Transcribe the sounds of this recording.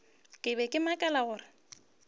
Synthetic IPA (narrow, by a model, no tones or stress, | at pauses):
kʼɪbɛkʼɪmakʼɛlaɣʊːrɪ